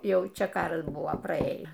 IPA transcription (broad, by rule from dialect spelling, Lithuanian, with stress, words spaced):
ˈjɛʊ ˈt͡ʃʲɛ ˈkɑːrɐs ˈbʊʋoː prɐˈeːjæː